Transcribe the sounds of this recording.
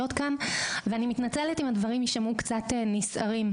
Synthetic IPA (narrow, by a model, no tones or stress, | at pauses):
ot̪kanveanimit̪nat͡seletimhadvɐʁimiʃamukt͡sat̪enisa̰ʁim